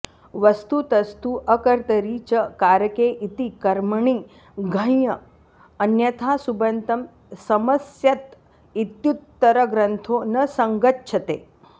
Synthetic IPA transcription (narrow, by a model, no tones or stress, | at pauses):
ʋɐst̪ut̪ɐst̪uʔəkəɾt̪əɾiːt͡ɕəkaɾkeʔit̪ikɐɾməɳi | ɡʱə̃jjəː | njɐt̪ʰasubɐnt̪ɐm | sɐməsjɐt̪ | it̪jut̪ːəɾəɡɾənt̪ʰonəsɐŋɡətːɕʰət̪e